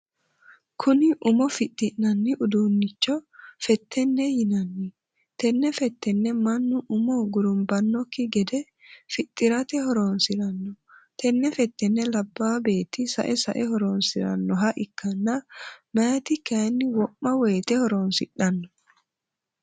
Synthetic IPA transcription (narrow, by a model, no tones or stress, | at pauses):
kʰʊnɪʔʊmɔfɪt̪ʼːɪʔnɐnːɪʔʊd̪uːnːɪt͡ʃːɔfɛt̪ʰːɛnːɛjɪnɐnːɪ | t̪ɛnːɛfɛt̪ːɛnːɛmɐnːʊʔʊmɔɡʊɾʊmbɐnːɔkːɪɡɛd̪ɛ | fɪt̪ʼːɪɾɐt̪ɛhɔɾoːnsɪɾɐnːɔt̪ʰɛnːɛfɛt̪ːɛnːɛlɐbːaːbeːt̪ːɪsɐ̰ʔɛsɐʔɛɦɔɾoːnsɪɾɐ̰nːɔɦɐʔɪkʰːɐnːɐmaːt̪ɪkɐnːɪwɔʔːɐweːt̪ɛhɔɾoːnsɪᶑːɐnːɔ̥